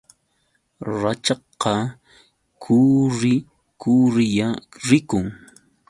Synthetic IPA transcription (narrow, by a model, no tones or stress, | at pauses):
ɾat͡ʃɑ | qɑ | kʰuɾɪ | kʊɾɪjaɾɪkʊŋ